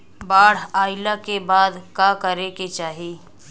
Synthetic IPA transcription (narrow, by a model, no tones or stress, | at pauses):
baːɽ̤aːɪlakebaːd̪kakəɾeket͡ʃaːɦiː